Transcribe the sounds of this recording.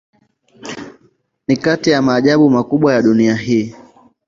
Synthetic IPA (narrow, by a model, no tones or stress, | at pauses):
nikatijamaːʄaɓumakuɓwajaɗuniaɦiː